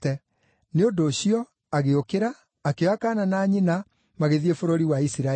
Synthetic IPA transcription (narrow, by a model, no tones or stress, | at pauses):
tɛ | neondoːɕiɔ | aɣeokeɾaː | kewakaːnanaːɲina | maɣeðiefoɾoɾiwaisiɾa